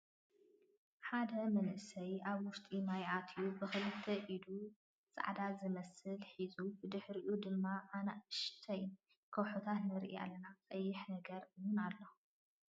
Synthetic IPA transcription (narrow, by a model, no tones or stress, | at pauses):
ħad̪ɐmɐnʔɨsɐjaβwʊst̪ʼimajʔat̪ʰijubɨxɨlɨt̪ʰːɐʔid̪u | t͡sʼa̰ʕd̪azɨmɐsɨlħizubɨd̪ɨħɾiʔud̪ɨmːaʔːnaʔɨʃt̪ʰɐj | kʰɐwħot̪ʰat̪nɨɾʔḭa̰lːɐnat͡sʼɐjːɪħnɐɡɐɾɨwʊnalːo̞